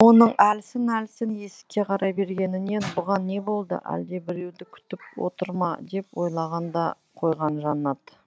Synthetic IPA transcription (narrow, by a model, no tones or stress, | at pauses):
wo̞nəɴælsɪnælsɪnje̞sɪ̥kʲːe̞qʰɑɾɑjbe̞ɾɡʲe̞nɪne̞nbʊʁɑnːe̞bo̞lˠd̪ə̰ʔæ̰ld̪e̞bɪɾe̞wd̪ɪkʲʰʏ̥t̪ɪpwo̞̰t̪əɾmɑd̪e̞pwo̞jlˠɑʁɑnd̪ɑ | qʰo̞jʁɑnʒɑnɑd̪